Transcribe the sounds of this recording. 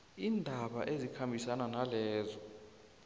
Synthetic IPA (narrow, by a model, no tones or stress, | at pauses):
iːndʱaɓa̰ʔezikʰambʱisananalɛːzɔ